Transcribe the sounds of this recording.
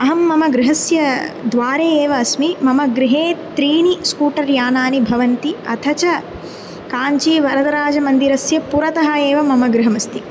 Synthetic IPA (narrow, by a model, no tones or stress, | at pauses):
ɐɦɐmːɐmɐɡɾɪɦɐsjɐd̪ʋaːɾeːeːʋɐːsmimɐmɐɡɾɪɦeːt̪ɾiːniskuːʈɐɾjaːnaːnibʱɐʋɐnt̪iɐ̰t̪ʰɐt͡ʃɐ | kaːɲt͡ʃiːʋɐɾɐd̪ɐɾaːd͡ʒɐmɐnd̪iɾɐsjɐpuɾɐt̪ɐɦɐeːʋɐmɐmɐɡɾɪɦɐmɐst̪i